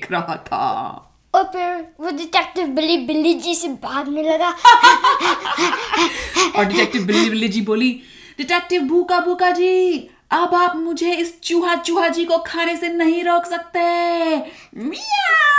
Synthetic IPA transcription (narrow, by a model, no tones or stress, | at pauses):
kʰɾɐɦa̰t̪ʰa̰ː | ɔːɾpʰɪɾʋoɖɪʈɛːk̚ʈɪʋbɪlːibɪlːid͡ʒisebʱaːɡ̪mẽlɐɡa | ɔːɾɖɪʈɛːk̚ʈɪʋbɪlːibɪlːid͡ʒiːboːli | ɖɪʈɛːk̚ʈɪʋbʱuːkabʱuːkad͡ʒiː | ɐbaːpmʊd͡ʒʱeɪst͡ʃuːɦat͡ʃuːɦad͡ʒikokʰaːnesenɐɦĩɾɔːkʰsɐk̚t̪eɦɛ̃ | ja